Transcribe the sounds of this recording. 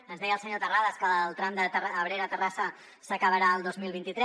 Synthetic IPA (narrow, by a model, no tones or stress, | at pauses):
ənzðɛjəlˠsəɲot̪əraðəskəlˠt̪ɾamd̪ət̪əraəβɾeɾat̪ərasə | səkəβəɾaəlˠd̪ozmilˠβint̪it̪ɾɛ